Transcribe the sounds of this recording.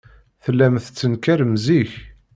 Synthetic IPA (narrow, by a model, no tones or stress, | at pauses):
θəlːæmθt͡sːənkæɾəmziç